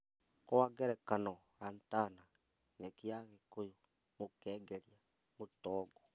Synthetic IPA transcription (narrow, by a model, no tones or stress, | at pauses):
kowaɡeɾɛkanɔ | ɾaːntana | ɲekiaɣekojo | mokɛːɡeɾia | motɔɡɔ